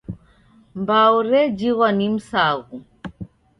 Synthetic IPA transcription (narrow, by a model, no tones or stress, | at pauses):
mbauɾɛd͡ʒiɣwanim̩saɣu